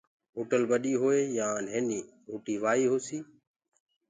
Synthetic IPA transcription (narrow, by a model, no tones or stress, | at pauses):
ɦoːʈəlbəɗiːɦoːeːjãːnɦeːniː | ɦuːʈiːʋaːiːɦoːsiː